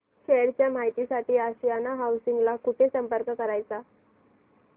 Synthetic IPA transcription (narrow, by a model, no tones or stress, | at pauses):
ɕeɽt͡ɕjamaɦit̪isaʈiːaɕijanaɦawsiŋɡlakuʈʰesəmpəɾkəkəɾajt͡sa